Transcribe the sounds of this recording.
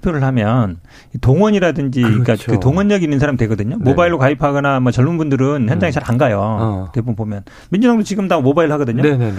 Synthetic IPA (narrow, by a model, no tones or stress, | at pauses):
pʰjoɾɯɭhamjʌn | itoŋwʌɲiɾadɯnd͡ʑik͈akɯtoŋwʌɲːʌɡinːɯnsʰaɾamidwe̞ɡʌdɯɲomobaiɭːokaipʰaɡʌnamwʌt͡ɕʌɭmunbundɯɾɯnçjʌnd͡ʑaŋet͡ɕaɾaŋɡajotebubomjʌn | mind͡ʑunʰaŋdot͡ɕiɡɯmdamobaiɾɭhaɡʌdɯɲon